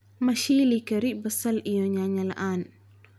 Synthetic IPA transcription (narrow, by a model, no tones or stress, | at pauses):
mɐʃilikəɾibəsɐlʔijɔɲaɲɐlaʔan